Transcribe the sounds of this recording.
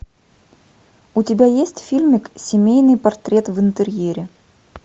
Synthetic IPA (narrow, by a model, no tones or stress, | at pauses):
ʊtʲɪbʲajesʲtʲfʲilʲmʲɪksʲɪmʲejnɨjpɐrt̪ɾʲe̞t̪vɨnt̪ɨɾʲjeɾʲɪ